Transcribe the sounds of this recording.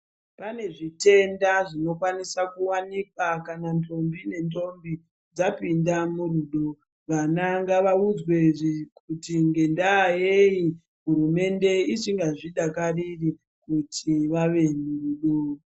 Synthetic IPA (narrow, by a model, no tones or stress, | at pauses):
pane̞ʐite̞ndaʐino̞kwanisakuwanikwakanantʰo̞mbine̞nto̞mbi | d͡zapindamuruɗo | ʋanaŋɡaʋaud͡zwe̞kutiŋɡe̞ndajeji | ɦuɾume̞nde̞it͡ʃiŋɡaʐiɗakariri | kutʰiʋaʋe̞muruɗo